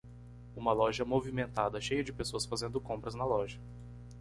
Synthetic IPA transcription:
ũmɐlɔʒɐmovimẽnt̪ad̪ɐʃejɐd͡ʒɪpesoɐsfazẽnd̪ʊkõpɾɐznɐlɔʒɐ

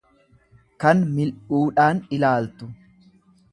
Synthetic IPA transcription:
kɐnmɪlʔuːᶑaːnɪlaːlt̪ʊ

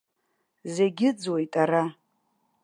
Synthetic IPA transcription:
zeɡʲɪd͡zwe̞jtʼaɾa

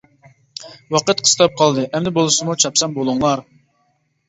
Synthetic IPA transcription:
wɑqət̪̚qʰə̥st̪ɑp̚qʰɑlˠd̪ɨʔɛmd̪ɪbolˠɨsɨmut͡ʃʰɑpsɑmbolˠʊŋlˠɑɾ

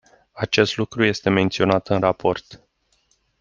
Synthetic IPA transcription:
at͡ʃe̞st̪lukɾuje̞st̪e̞me̞nt̪sio̞nat̪ɨnrapʰo̞rt̪

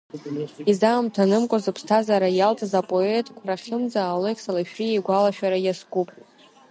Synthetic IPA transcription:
izamtʰanɨmkʷʼazɨpʰstʰazaɾajalt͡sʼazapʼo̞e̞tʼkʷʰaraχʲɪmd͡zaːlejkʰsalaʃᶣriejɡʷalaʃᶣaɾajaskʼupʼ

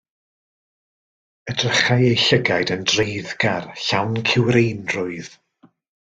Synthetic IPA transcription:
ədrəχajejɬəɡajdəndrejðɡarɬawnkʰɪwɾejnrʊɨð̥

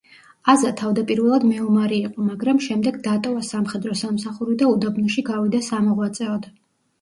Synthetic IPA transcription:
azat̪ʰavd̪apʼiɾvɛlˠad̪mɛɔmaɾiːqʼɔmaɡɾamʃɛmd̪ɛɡd̪at̪ʼɔvasamχɛd̪ɾɔsamsaχuɾid̪aud̪abnɔʃiɡavid̪asamɔʁwat̪sʼɛɔd̪a

